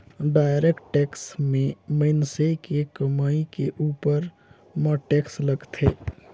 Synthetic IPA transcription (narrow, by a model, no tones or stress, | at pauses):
ɖaːɪɾekʈʈeːksmẽməɪnsekekəmaːikeʔuːpəɾ | məʈeːksləɡt̪ʰeː